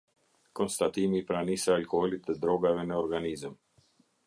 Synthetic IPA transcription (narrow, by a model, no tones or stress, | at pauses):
kɔnst̪at̪imipɾanisaːlkɔhɔlit̪ɛd̪ɾɔɡavɛnəɔɾɡanizəm